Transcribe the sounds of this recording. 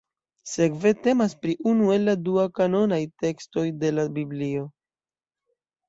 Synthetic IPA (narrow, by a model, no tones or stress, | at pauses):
se̞kve̞te̞maspɾiʔunue̞lːaduakano̞najte̞ksto̞jde̞labiblio̞